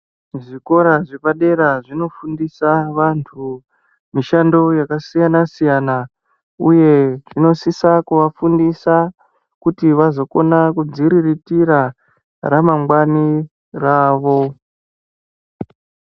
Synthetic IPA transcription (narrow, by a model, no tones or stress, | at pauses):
ʐiko̞ɾaʐepaɗe̞ɾaʐino̞fundisaʋantʰu | miʃando̞jakasijanasijana | uje̞ʐino̞sisakuʋafundisa | kutiʋazo̞ko̞nakud͡ziɾiritiɾa | ɾamaŋɡwani | raːʋo̞